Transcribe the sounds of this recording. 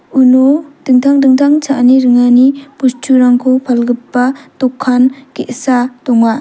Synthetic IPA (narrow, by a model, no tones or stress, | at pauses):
unod̥ɯŋtʰaŋdɯŋtʰaŋt͡ʃʰaʔniɾɯŋanipustʰuɾaŋkʰupʰalɡɯpːatɔkʰːankeʔsatɔŋma